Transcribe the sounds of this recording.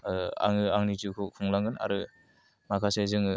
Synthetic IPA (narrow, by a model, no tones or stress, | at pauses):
a̰ŋɯaŋnid͡ʒukʰɔkʰuŋlaŋɯna̰ɾɯ | makʰasezɯŋɯ